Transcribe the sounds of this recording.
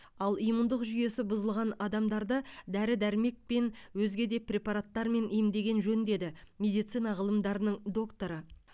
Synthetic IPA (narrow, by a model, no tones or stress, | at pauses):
ɑlˠijmund̪əqʒʏje̞sɪbʊzəlˠʁɑnɑd̪ɑmd̪ɑɾd̪əd̪æɾɪd̪æɾɪme̞k̚pe̞nwɵzɡʲe̞d̪e̞prʲe̞pɑɾat̪ːɑɾme̞nʔijmd̪e̞ɡʲe̞nʒɵnd̪e̞d̪ɪmʲe̞d̪ijt̪sɨjnɑʁəlˠəmd̪ɑɾənəɴd̪o̞kt̪o̞ɾə